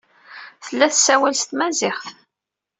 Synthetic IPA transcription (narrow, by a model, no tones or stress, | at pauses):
θəlːæθsæwælst̪mæzɪχθ